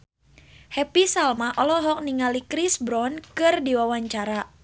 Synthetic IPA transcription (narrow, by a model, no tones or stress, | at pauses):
hɛpisalmaʔɔlɔɦɔk̚niŋalikɾisbɾɔnkɨrdiwawaɲt͡ʃaɾa